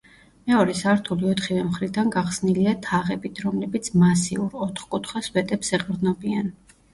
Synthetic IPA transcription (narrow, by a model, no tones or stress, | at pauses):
mɛɔɾɛsaːɾt̪ʰuliɔt̪χivɛmχɾid̪anɡaχsniliat̪ʰaʁɛbit̪ʰɾɔmlɛbit̪sʰmasiuɾɔt̪ʰχkʼut̪ʰχwaswɛt̪ʼɛpsɛqʼɾd̪nɔbian